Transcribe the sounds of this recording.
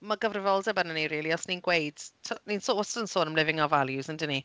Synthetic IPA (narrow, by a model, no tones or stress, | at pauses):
maɡəvrɪvɔlˠdɛbənəniɾiːlˠiɔsniːnɡwejd̥tʰninsoɔstənsoːnəmlˠɪvɪŋɔvalˠjuzəndɪni